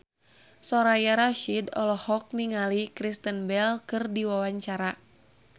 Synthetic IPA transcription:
sɔɾajaɾaʃidɔ̰lɔhɔk̚niŋalikɾist̪ənbɛlkɨrdiwawaɲt͡ʃaɾa

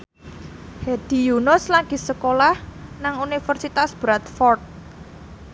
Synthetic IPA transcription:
hed̪̥ijunɔslaɡ̥isəkolahnaŋunifərsit̪asb̥ɾat̪fɔrt̪̚

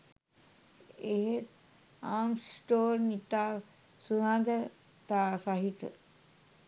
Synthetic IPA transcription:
eɦet | aːmsʈoːɾnit̪aː | sunad̪ə | t̪aːsaɦit̪ə̰

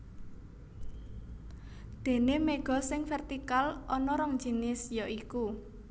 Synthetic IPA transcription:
d̪̥e̤nemeɡ̥ɔ̤sɪŋfɛrt̪ikalɔnɔɾɔŋ̥d͡ʒ̥i̤nɪsjɔʔiku

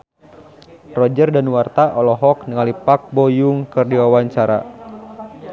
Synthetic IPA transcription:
rɔd͡ʒərdanwart̪aʔɔlɔɦɔk̚nəŋalipak̚bojuŋkɨrdiwawaɲt͡ʃaɾa̰

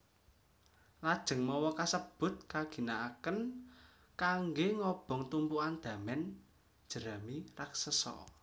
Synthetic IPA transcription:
lad̥ʒ̥ə̤ŋmɔwɔkasəb̥ʊ̤t̪̚kaɡ̥i̤naakən | kaŋɡeŋɔb̥ɔ̤ŋt̪umpuand̪̥ä̤mɛn | d̥ʒ̥ə̤ɾamiraksəsɔ̰

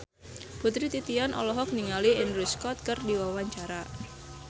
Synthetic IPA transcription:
put̪ɾit̪it̪ianʔɔ̰lɔɦɔk̚niŋaliɪnɾuskɔt̪̚kɨrdiwawaɲt͡ʃaɾa

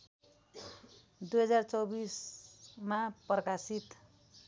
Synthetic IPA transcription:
d̪ujɦʌd͡zart͡sʌbismaprʌkasit̪

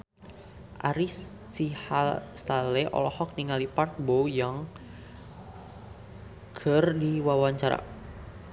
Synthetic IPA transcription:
ʔaɾiː | ihasalɛʔɔ̰lɔhɔk̚niŋalipark̚bowjaŋ | kʰərdiwawaɲt͡ʃaɾa̰

